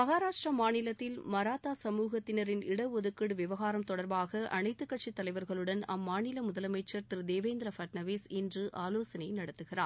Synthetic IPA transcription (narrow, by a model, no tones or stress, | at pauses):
mɐɣaːɾaːʂʈrɐmaːnɪlɐtt̪ːɪlmɐɾaːt̪aːsɐmuːɣɐt̪ːɪnɐɾɪnɪɽɐɔðɯkːɐɽɯʋɪʋɐɣaːɾɐmt̪ɔɽɐɾbaːɣɐʔɐ̰nɐɪt̪ːɯkːɐʈ̚t͡ʃit̪ːɐlɐɪʋɐɾɣɐɭɯɽɐnɐ̰mːaːɳɪlɐmʊðɐlɐmɐɪt͡ʃːɐɾt̪ɾd̪eːʋeːnd̪ɾɐfɐʈnɐʋeːsɛndrɯʔaːloːsɐnɐɪjnɐɽɐt̪ːɯɣɪra̰ː